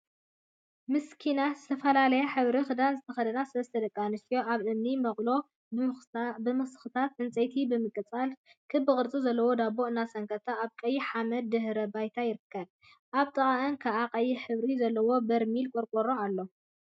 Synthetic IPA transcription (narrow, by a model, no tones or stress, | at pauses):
mɨskʰinazɨt̪ʰɐfɐlalɐjaħɨβɾixɨd̪anzɨt̪ʰɐxɐd̪ɐnasɨβɐst̪ʰɐd̪ɐkʼːanɨst̪ijo̞ʔaβʔɨmnimɐχʼlo̞ | bɨmɨxsɨ̥xɨt̪ʰat̪ʔɨnt͡sʼɐjt̪ʰibɨmɨkʼːɨt͡sʼalkʰɨbːɨkʼɨɾt͡sʼuzɐlːɐwo̞d̪aboʔnasɐŋkʰɐt̪ʰaːβkʼɐjːɪħamɐd̪̚ːɨhɾɐbajt̪ʰajɪɾɨkʰːɐβ | ʔaβt̪ʼɐχʼaʔɨnkʰaʔaqʼɐjːɪħɨβɾizɐlːɐwo̞bɐɾmilkʼoɾkʼoɾoalːo̞